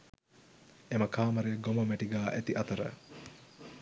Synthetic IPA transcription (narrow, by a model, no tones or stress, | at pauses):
eməkaːməɾejɐɡomɐmæʈiɡaːʔæt̪iʔɐt̪əɾə̰